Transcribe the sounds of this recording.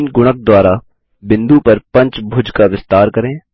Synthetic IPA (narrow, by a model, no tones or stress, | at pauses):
nɡʊɽ̃ək̚d̪waːɾa | bɪ̃nd̪upɐɾpɐ̃ɲt͡ʃbʱʊd͡ʒkaʋɪst̪aːɾkəɾẽː